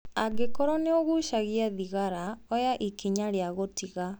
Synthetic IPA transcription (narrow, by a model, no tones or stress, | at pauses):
aɡekɔɾɔneoɣuʃaɣiaðiɣaɾaɔjaʔikʰiɲaɾeaɣotiɣa